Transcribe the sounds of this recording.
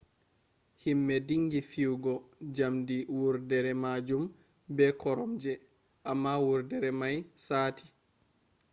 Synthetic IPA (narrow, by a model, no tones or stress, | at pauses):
himːɛdiŋɡifiwɡɔd͡ʒamdiwuɾdɛɾɛmad͡ʒum | bɛkɔɾɔmd͡ʒɛ | ʔamːawuɾdɛɾɛmajsaːtʰi̥